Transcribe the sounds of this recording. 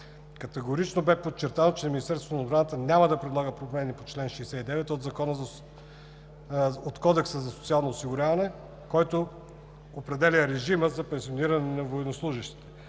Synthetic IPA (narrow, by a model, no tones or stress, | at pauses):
kɐt̪ɛɡʊɾit͡ʃnobɛpot̚t͡ʃːɛɾt̪anot͡ʃɛminist̪ɛɾsvonodbɾanət̪ənʲaməd̪ɐpɾɛd̪lˠaɡəpɾomɛnipot͡ʃlɛnʃɛjsɛid̪ɛvɛt̪od̪zɐkɔnəz | ot̪kɔd̪ɛksəzɐsot̪sialˠnoosiɡʊɾʲavɐnɛ | kɔjt̪o | opɾɛd̪ɛlʲəɾɛʒiməzɐpɛnsioniɾɐnɛnɐvoɛnoslˠuʒəʃt̪i̥t̪ɛ̥